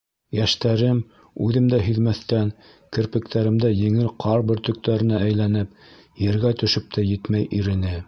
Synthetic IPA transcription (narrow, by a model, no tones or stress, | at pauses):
jæʃt̪æɾɘm | ʉðɘmd̪æɦĭðmæθt̪æn | kɘ̆ɾpɘ̆k̚t̪ʰæɾɘ̆md̪æjɘ̆ŋɘɾqʰɑɾbɘɾt̪ɵ̆k̚t̪æɾɘ̆næʔæjlænɘp | jɘ̆ɾɡæt̪ɵ̆ʃɵp̚t̪ʰæjɘt̪mæjʔiɾɘ̆nɘ